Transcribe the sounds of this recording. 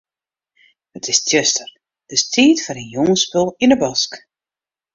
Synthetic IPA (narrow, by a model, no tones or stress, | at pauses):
ətʰɪstʰjøstər | d̥əstʰiːtfɔnənjoŋəspølˠinəbɔsk